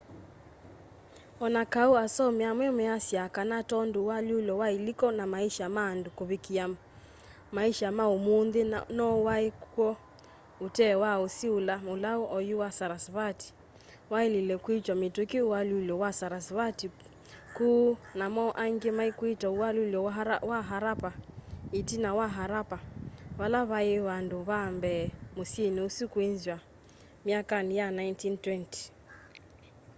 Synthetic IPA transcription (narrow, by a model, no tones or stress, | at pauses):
ɔnakauasɔmeamwɛmɛasjakanatɔndowalolɔwailikɔnamaiʃamandokoβekia | maiʃamaomonðenɔwaekwɔ | otɛwaosiolamolaoʔɔjuwasaɾasβati̥ | waililɛkwit͡ʃwamitukiuwalulɔwasaɾasβati | kunamɔʔaŋɡemaikwitauwaluljɔwaɦaɾapaitinawaɦaɾapaβalaβaeβanduβambɛmosieniusikwenzwa | miakanjanajntintwɛnti̥